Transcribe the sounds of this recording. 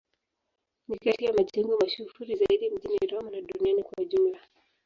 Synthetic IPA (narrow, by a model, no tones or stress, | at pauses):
nikatiamaʄɛŋɡɔmaʃufuɾizaiɗim̩ʄiniɾɔmunaɗunianikwauʄumla